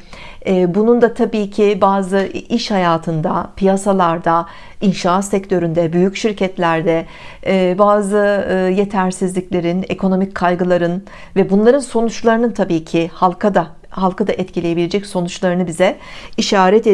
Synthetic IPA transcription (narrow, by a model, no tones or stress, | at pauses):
ɛːbunund̪at̪ʰabiːcʰibaːzɯiʃhajaːt̪ʰɯnd̪a̰pʰijasalˠaɾd̪a | inʃaat̪sɛct̪ʰø̞ɾynd̪ɛbyjycʃiɾcʰɛt̪lʲæɾd̪ɛː | baːzɯje̞t̪ʰæɾsizlʲiclʲe̞ɾinḛkʰo̞no̞mic̚ʲkʰːajɡɯlˠaɾɯn | vɛbunlˠaɾɯnso̞nut͡ʃlˠaɾɯnɯnt̪ʰabiːcʰɪhalˠkad̪a | halˠkad̪aʔɛt̪cʰilʲeje̞biled͡ʒɛcso̞nut͡ʃlˠaɾɯnɯbizɛiʃaːɾɛt̪e